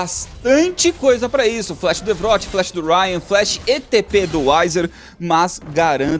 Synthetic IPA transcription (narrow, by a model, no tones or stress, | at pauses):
ast̪ɐ̃t͡ʃɪkojzɐpɾɐisʊflɛʃɪd̪ʊevɾɔt͡ʃɪ̥flɛʃɪd̪ʊɾajɐ̃flɛʃɪ̥et̪eped̪ʊajzeɾ | mɐzɡaɾɐ̃